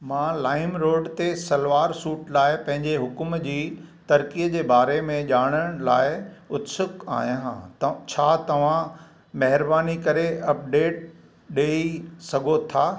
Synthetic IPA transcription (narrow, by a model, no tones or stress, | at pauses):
mãːlaːɪmɾoːɖt̪esɐlʋaːɾsuːʈlaːɪpɐ̃ɦɪ̃ɲd͡ʑeɦʊkmd͡ʑiːt̪ɐɾkiəd͡ʑeːbaːɾemẽʄaːɽ̃əɽ̃laːɪʊt̪sʊka̰ːɦjãɦã̰ːt͡ɕʰaːt̪ɐʋ̤ã | mɐɦɪɾbaːnikɐɾeɐp̚ɖeːʈ̚ | ɗeːisɐɡʱot̪ʰaː